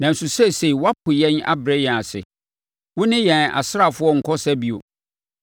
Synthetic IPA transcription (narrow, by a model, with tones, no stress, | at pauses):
nã˨n̩˨sʊ˨sɛ˦˨se˨i˨wa˦pʰʊ˨jɛ̃˦na̰˦bɾɛ˦jɛ̃˨a˨sɪ̰˨ | wʊ˦nɪ̃˦jɛ̃˨na̰˨sɪ˦ɾa˦˨fʊ˦ɔ˦ŋ̩˨kʰɔ˦sæ˦bi˨o̰˨